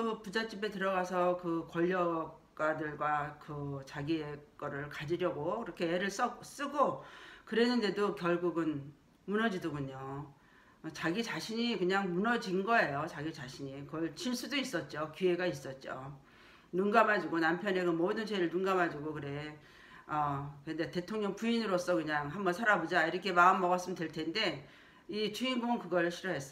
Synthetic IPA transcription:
opud͡ʑat͡ɕ͈ibe̞tɯɾʌɡasʰʌkɯkʌʎːʌk̚ | k͈adɯɭɡwakɯt͡ɕaɡiek͈ʌɾɯɭkad͡ʑiɾjʌɡokɯɾʌkʰe̞ːɾɯɭs͈ʌs͈ɯɡokɯɾe̞nːɯnde̞dokjʌɭɡuɡɯn | munʌd͡ʑidoɡuɲo | t͡ɕaɡit͡ɕaɕʰiɲikɯɲaŋmunʌd͡ʑinɡʌejot͡ɕaɡit͡ɕaɕʰiɲikɯɡʌɭt͡ɕʰiɭs͈udois͈ʌt̚t͡ɕ͈okue̞ɡais͈ʌt̚t͡ɕ͈o | nuŋɡamɦad͡ʑiɡonampʰjʌne̞ɡɯmʌdɯnt͡ɕe̞ɾɯɭnunɡamɦad͡ʑuɡokɯɾe̞ | ʌkkɯendete̞tʰoŋɲʌŋpuinɯɾos͈ʌkɯɲaŋɦambʌnsʰaɾabod͡ʑaiɾʌkʰe̞maɯmːʌɡas͈ɯmndweɭtʰe̞nde̞ | it͡ɕʰuinɡokɯɡʌɭɕʰiɾʌɦe̞s͈

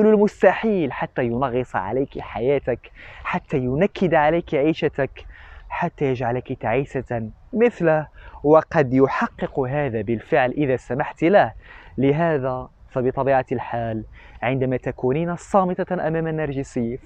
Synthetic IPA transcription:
ʊlulmʊst̪aħiːlħat̪ːæjʊnɑɣɨsˤʕa̰læjkiħajæːt̪akħat̪ːæjʊnakʰːɪd̪ʕalajkiʕiːʃat̪akħat̪ːæjəʒʕalakit̪aʕiːsaməθləhwɑqɑd̪jʊħɑqːɨqɦaːd̪abəlfəʕlʔɪðæsamaħt̪lahləɦæːðæ | fæbɨt̪ˤɑbiːʕalħaːlʕɪnd̪æmæt̪ækuninasˤɑːmɨt̪ˤɑʔæmæːmænːɑɾˤʒisijː

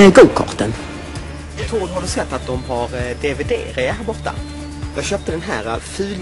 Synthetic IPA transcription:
ɛɡuːkʰɔ̰t̪ən | at̪ʰɾuːd̪ɦaɾɵsɛt̪ːat̪̚d̪ɔmhaɾd̪eved̪ḛːɾɪhæːɾbɔʈːa̰ | jɑ̰ːɡɕøːp̚t̪əd̪ɛnɦæ̰ːɾafʉ̟ːl

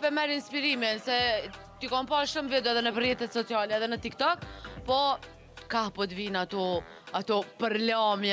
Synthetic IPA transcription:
pɛmɛɾinspiɾimɛnsɛ | t̪ikɔmpalʃumvɛd̪uɛðɛnəpərjɛt̪ɛt̪sɔt͡sialɛɛðɛnət̪ik̚t̪ɔkpɔ | kahpɔt̪vinat̪ɔ | at̪ɔpəɾlamjɛ

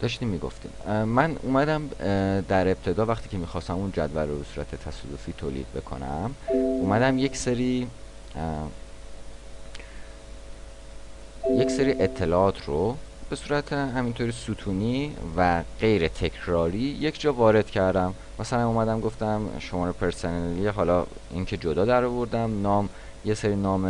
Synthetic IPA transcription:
d̪̥ɒːʃt̪iːmːiɡo̰ft̪ḭːmmːænṵːmæd̪æmd̪æɾe̞b̚t̪ʰe̞d̪ɒːvæχt̪ʰiːcʰe̞miːxɒːst̪æmund͡ʒæ̰d̪vælrobe̞suːɾæ̰t̪ʰet̪ʰæsɒːd̪ofiːt̪ʰoːlḭːd̪̥̚be̞̰kʰo̞̰næ̰muːmæd̪æmje̞cseɾiː | je̞cseɾiːʔe̞t̪ʰːe̞lɒːt̪ʰrob̥e̞suːɾæt̪ʰeɦæmint̪ʰoːɾisuːt̪ʰuːniːvæɢ̥e̞jɾe̞t̪ʰe̞cʰɾɒːɾiːje̞cʰd͡ʒɒːvɒːɾe̞d̪̥cʰæɾd̪æmːæsælæmuːmæd̪æmɡo̞ft̪æmʃomɒːɾepʰeɾsoneeliɦɒːlɒː | iŋcʰe̞d͡ʒod̪ɒːd̪æɾɒvo̞ɾd̪æmnɒːm | je̞seɾiːnɒːme

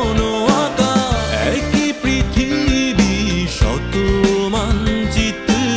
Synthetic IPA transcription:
noakaɛ̰kipɾit̪ʰibiʃɔ̰t̪omant͡ɕit̪ːu

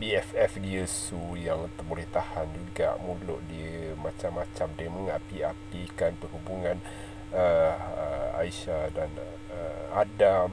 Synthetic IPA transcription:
biɛfɛfdiəsujaŋt̪ərbolɛht̪ahand͡ʒuɡa̰ʔmũlʊʔdimat͡ʃamːat͡ʃamdəməŋapiapikanpərhubuŋãn | ə | a̰iʃadan | əadam

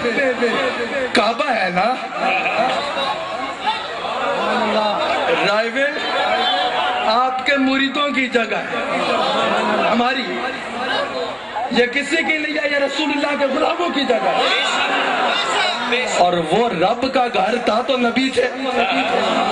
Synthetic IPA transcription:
ebekaːbaɦɛna | a | ɾaːɪʋɪl | aːpkemʊɾiːd̪õk̬id͡ʒɐɡaɦɛː | ɦɐmaːɾi | jekɪsikilejajeɾɐsuːlʊlːak̬ebʊlaːbõkid͡ʒɐɡaɦɛ | ɔːɾʋoɾɐbkaɡʱɐɾt̪ʰat̪onɐbid͡ʒɛːniɛ

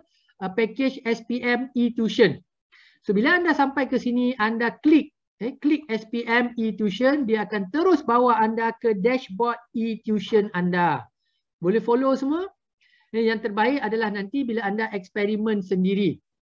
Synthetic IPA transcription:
əpɛket͡ʃɛspiɛmit̪juʃən | sobilaːndasampajkəsinĩandaklik̚ | eklik̚ɛspiʔɛmit̪juʃəndiaːkant̪əɾʊsbawaːndakədɛʃbɔt̪̚it̪juʃənanda | bolɛhfolosəma | jaŋt̪ərbaɪkadalahnãnt̪ibilaːndaʔɛkspɛɾimə̃nsəndiɾi

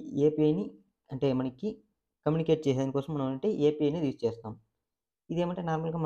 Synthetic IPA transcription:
eːpiɐjni | ɐɳʈe̞ːmɐɳɐki | kɐmjuːnike̞ːʈ̚t͡ʃeɛːsd̪ɐnikɔːsɐmːɐnɐɐɳʈe̞ːʔeːpiɐjnid̪ist͡ʃɛːst̪aːm | id̪e̞ːmɐɳʈeːnaːɾmɐlɡaːmɐ

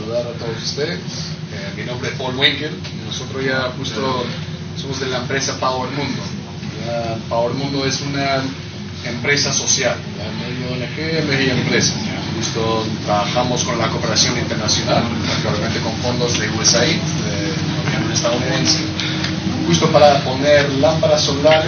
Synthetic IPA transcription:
aluðaɾat̪oð̞osu̥st̪eðes | eminombɾeðepolwejkeɾ | nosot̪ɾozʝaxust̪o | somozðe̞laempɾesapaweɾmũnd̪o | japaweɾmũnd̪oesuna | empɾe̞saso̞sjallameoenexemexiempɾesḁaxust̪ot̪ɾaβaxamosko̞nlakopeɾasjo̞nint̪eɾnasjo̞nal | oklaβjame̞nt̪eko̞ɱfo̞nd̪o̞zðeuesai | de | oβanelest̪aðuniðense | xust̪opaɾapo̞neɾlampaɾasolaɾ

